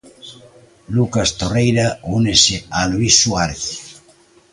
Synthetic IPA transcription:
lukast̪orejɾaunesealuisːuaɾeθ

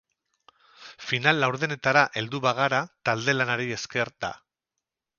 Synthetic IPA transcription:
finalːawɾðene̞t̪aɾaʔe̞ld̪uβaɣ̞aɾat̪ald̪e̞lanaɾie̞ske̞ɾt̪a̰

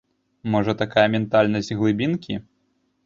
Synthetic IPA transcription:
mɔʐɐt̪akajɐmʲɛnt̪alʲnɐsʲtʲɣlˠɨbʲinkʲi

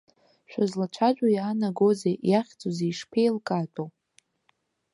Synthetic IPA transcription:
ʃᶣʷazlat͡ʃʷʰad͡ʒʷᶣʼajaːnaɡo̞zejaχʲt͡sʼozejʂpʰejlkʼatʼo

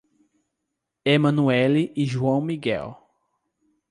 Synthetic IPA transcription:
emɐ̃nuɛliʔːʒuɐ̃w̃miɡɛ̰w

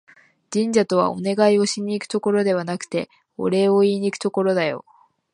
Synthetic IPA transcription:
d͡ʑĩɲd͡ʑat̪o̞β̞a̰o̞̰ne̞ɡaio̞ɕiɲ̟ːiːkɯ̟̥t̪o̞ko̞ɾo̞d̪e̞βanakɯ̟̥t̪e̞ | o̰ɾe̞oiːɲ̟ikɯ̥t̪o̞ko̞ɾo̞d̪ajo̞̰

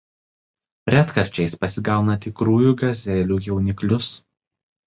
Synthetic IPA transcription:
ɾʲæt̪kɐɾʲt͡ʃʲɛɪspɐsʲɪɡɑˑʊnɐt̪ʲɪkɾuːjuːˑɡɐzʲɛːlʲuːjɛʊnʲɪklʲʊs

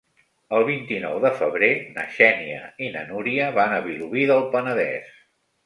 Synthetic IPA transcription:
əlˠβint̪inɔwðəfəβɾenə̰ʃɛniə̰inə̰nuɾiəβanəβiluβiðəlˠpənəðɛ̰s

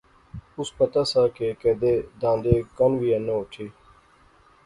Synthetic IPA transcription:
ʊspət̪aːsaːkekɛːd̪eːd̪ãːnd̪eːkənʋiːənõːʊʈʰeː

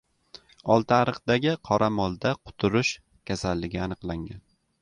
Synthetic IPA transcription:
ɒlˠt̪ʰaɾɨχd̪aɡʲɪqʰɒɾʔamɒlˠd̪aqʰʊ̥t̪ʰʊɾʊʃ | kʲʰasalːɪɡʲɪanɨqlˠaŋan

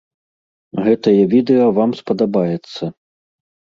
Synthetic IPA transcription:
ɣɛt̪ɐjɛvʲid̪ɛjɔvamspɐd̪abajɛt̪sːɐ

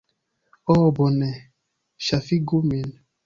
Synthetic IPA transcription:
ɔbɔnɛ | ʃafiɡomen

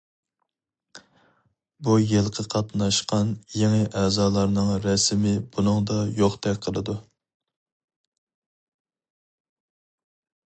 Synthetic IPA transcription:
bujelˠqʰəqʰɑt̪nɑʃqɑnjeŋɨʔɛːzɑːlˠɑɾnɨŋɾɛsmɪb̥unɨŋd̪ɑjoχt̪ʰɛkʲqʰəlˠɨd̪u

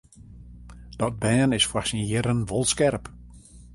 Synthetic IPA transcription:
d̥ɔt̚bɛːnɪsfasinjɪɾənʋɔlˠskɛrp

